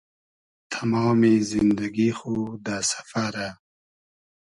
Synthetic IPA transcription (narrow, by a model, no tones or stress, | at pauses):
t̪ʰamɑːmizɪnd̪aɡixod̪asḁfaɾa